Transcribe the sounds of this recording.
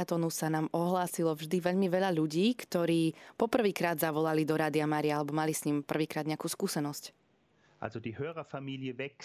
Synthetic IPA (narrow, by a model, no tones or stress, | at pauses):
at̪ɔnusanaːmɔɦlaːsilɔvʒd̪iʋɛʎmiʋɛʎaʎuɟiːkt̪ɔɾiːpɔpr̩ʋiːkɾaːd̪zaʋɔlalid̪ɔɾaːd̪iamaːɾiaalɛbɔmalisɲimpr̩ʋiːkɾaːd̪ɲɛakuːskuːsɛnɔsc | ʔa̰lzɔdiːhøːʁɐfamiːlɪəvɛk